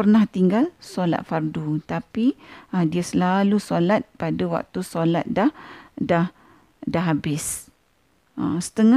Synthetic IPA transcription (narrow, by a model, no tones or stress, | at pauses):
pərnaht̪iŋɡalsola̰t̪̚fardut̪apiədiasəlalusolat̪̚padawa̰k̚t̪usolat̪̚dahdah | daɦabɪs | a̰sə̥t̪əŋa